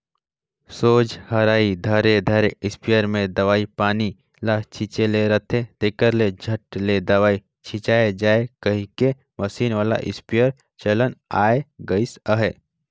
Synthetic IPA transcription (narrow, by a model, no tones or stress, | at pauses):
soːd͡ʒhɐɾaːid̪ʱəɾed̪ʱəɾeɪspijəɾmẽd̪ɐʋaːipaːni | lat͡ʃʰit͡ʃeleɾət̪ʰet̪eːkəɾled͡ʒʱəʈled̪ɐʋaːi | t͡ʃʰit͡ʃaːed͡ʒaːekɐɦĩke | məsiːnʋaːla̰ʔɪ̰spijəɾ | t͡ʃələnaːeɡəɪsəɦe